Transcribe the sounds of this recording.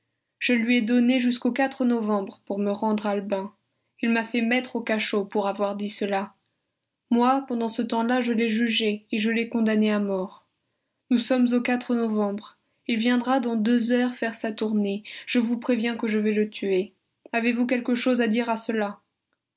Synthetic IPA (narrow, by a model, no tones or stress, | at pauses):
ʒ̥əlɥiɛd̪ɔneʒyskokat̪χənɔvɑ̃bʁəpuʁməʁɑ̃d̪ʁalbɛ̃ | ilmafɛmɛt̪χokaʃopuʁavwaʁd̪isəla | mwapɑ̃d̪ɑ̃sət̪ɑ̃laʒəlɛʒyʒeːʒəlɛkɔ̃d̪aneamɔʁ | nusɔmzokat̪χənɔvɑ̃bʁ | ilvjɛ̃d̪ʁad̪ɑ̃d̪øzœʁfɛʁsat̪uʁneʒ̥əvupχevjɛ̃kəʒəvɛlət̪ʰye | avevukʲɛlkəʃozad̪iʁasəla